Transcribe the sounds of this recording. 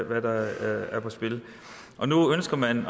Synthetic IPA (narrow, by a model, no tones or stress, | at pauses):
ʋæd̥ɑæɐpʰɒ̽sb̥e̝l | ʔɒ̽nuønsɡ̥ɐmæn